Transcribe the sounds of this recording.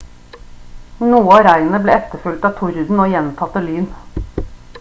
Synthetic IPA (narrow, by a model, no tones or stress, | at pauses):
nuːəɑːɾæɪən̩əblḛːɛt̪əfʉlt̪ɑːt̪ʰʊɾʉd̪n̩oːjɛnt̪ʰɑt̪ːəlyːn